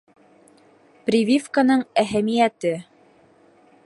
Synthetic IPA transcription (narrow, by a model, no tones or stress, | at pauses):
prʲivʲifkanɤɴæɦæmijæt̪ɘ